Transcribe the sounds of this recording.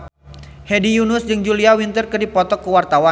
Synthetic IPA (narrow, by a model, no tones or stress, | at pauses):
hedijunʊsd͡ʒɨŋd͡ʒuliawint̪ərkərdipɔt̪ɔkəwart̪awa